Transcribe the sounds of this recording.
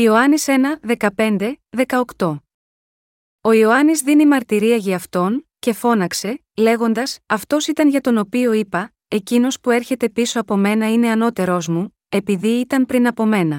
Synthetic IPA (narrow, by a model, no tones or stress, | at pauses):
io̞ɐnise̞nɐðe̞kɐpe̞nd̪e̞ðe̞kɐokt̪o̞ | o̞ioɐnizðinimɐɾt̪iɾiɐʝiɐft̪o̞nce̞fo̞nɐkse̞ | le̞ɣo̞nd̪ɐsɐft̪o̞sit̪ɐnʝɐt̪o̞no̞pio̞ipɐ | e̞cino̞spue̞ɾçe̞t̪e̞piso̞ɐpo̞me̞nɐine̞ɐno̞t̪e̞ɾo̞zmu | e̞piðiːt̪ɐmpɾinɐpo̞me̞nɐ